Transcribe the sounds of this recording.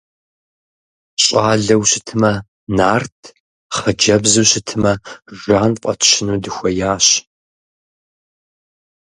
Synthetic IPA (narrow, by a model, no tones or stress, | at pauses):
ɕʼaːɮɐwɕɪtʰɨmɐ | naːrtʰ | χɐd͡ʒɐbzuːɕɪtʰɨmɐʒʷaːnqʷʼɐtʰʃɪnuːdɨxʷɐjaːɕ